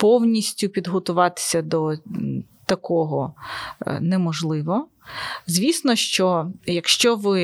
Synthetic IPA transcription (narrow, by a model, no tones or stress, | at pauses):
pɔwnʲisʲtʲʊpʲid̪ɦɔt̪ʊʋɑt̪ɪ̥sʲɐd̪ɔ | t̪ɐkɔɦɔ | nɛmɔʒlˠɪʋɔ | zʲʋʲisnɔʃt͡ʃɔjɐkʃt͡ʃɔʋɪ